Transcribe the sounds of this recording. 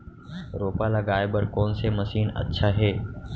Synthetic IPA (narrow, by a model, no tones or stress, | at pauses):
ɾoːpaːlaːɡaːɪbəɾkoːnseməsiːnə̰tːʃʰaːɦeː